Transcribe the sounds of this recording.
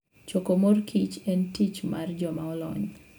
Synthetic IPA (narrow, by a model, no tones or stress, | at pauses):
t͡ʃokomorkʰit͡ʃɛntit͡ʃmard͡ʒɔmaɔlɔ̰ɲ